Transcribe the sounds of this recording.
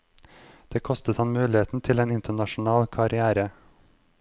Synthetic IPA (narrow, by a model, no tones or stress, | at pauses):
d̪̥eːkʰɔst̪ət̪hɑnmʉːlɪeːt̪n̩t̪ʰɪleːnɪnt̪əɳɑʃn̩ɑːlkʰɑɾɪæːɾə